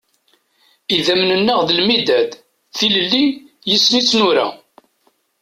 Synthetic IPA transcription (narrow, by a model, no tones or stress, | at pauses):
iðæmnənːəʁðəlmid̪æd̪ | θiləlːi | jəsːnit͡sːnʊɾæ̰